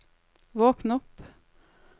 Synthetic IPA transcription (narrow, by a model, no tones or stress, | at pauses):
voːknɔpː